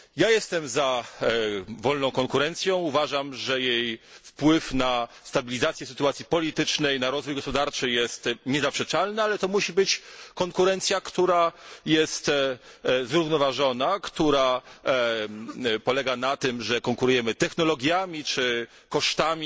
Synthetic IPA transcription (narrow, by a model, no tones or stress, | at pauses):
jajɛst̪ɛmza | vɔlnɔ̃w̃kɔŋkuɾɛnt̪sʲjɔ̃w̃uvaʐamʐɛjejfpwɘfna | st̪abʲilʲizat̪sʲjɛsɘ̥t̪uat̪sʲjipɔlʲit̪ɘt͡ʂnɛjnaɾɔzvujɡɔspɔd̪aɾt͡ʂɘjɛst̪ɲɛzapʂɛt͡ʂalnaalɛt̪ɔmuɕibɘt͡ɕkɔŋkuɾɛnt̪sʲjakt̪uɾajɛst̪ | zɾuvnɔvaʐɔnakt̪uɾa | pɔlɛɡanat̪ɘmʐɛkɔŋkuɾujɛmɘt̪ɛxnɔlɔɡʲjamʲit͡ʂɘ | kɔʂt̪amʲi